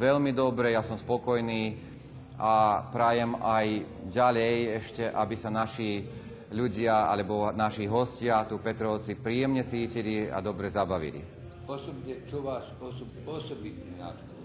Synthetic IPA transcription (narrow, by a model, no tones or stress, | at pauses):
ʋɛʎmid̪ɔbɾɛjasɔmspɔkɔjniː | apɾajɛmaj | ɟaʎɛjɛʃcɛʔabisanaʃiː | ʎuɟɪaa̰lɛbɔnaʃiɦɔscɪat̪upɛt̪ɾɔʊt͡sipɾiːjɛmɲɛt͡siːcilia̰d̪ɔbɾɛzabaʋḭlḭ | ɔsɔbɲɛt͡ʃɔʋaːsɔsɔ | ɔsɔbit̪̚niːna̰t̪ɔ